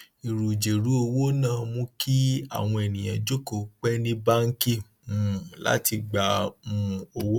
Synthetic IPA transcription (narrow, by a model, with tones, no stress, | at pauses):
i˨ɾu˨d͡ʒe˨ɾu˨˦o˧wo˦nãː˦˨mũ˧˦kʰi˦a̰˨w̃ɔ̃˧e˨nĩ˨j̃ã˨d͡ʒo˦ko˨k͡pɛ˦nĩ˦ba˦ŋ̩˦ki˦˨ | u˨la̰˨˦ti˧ɡ͡ba˧mũ˦˧o˧wo˦